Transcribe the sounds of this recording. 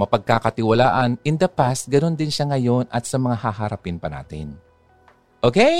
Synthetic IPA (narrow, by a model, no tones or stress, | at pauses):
mɐpɐɡ̚kaːkɐt̪ɪwɐlaːʔɐnʔɪnd̪ɐpasɡɐno̞nd̪ɪnʃaŋɐjo̞nʔɐt̪sɐmɐŋahaɦaɾɐpɪnpɐna̰ːt̪ɪ̰n | ʔoke